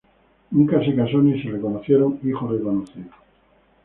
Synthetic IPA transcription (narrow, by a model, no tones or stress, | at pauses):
uŋkasekasoneserekonoθjeɾoŋixoðeβanouθe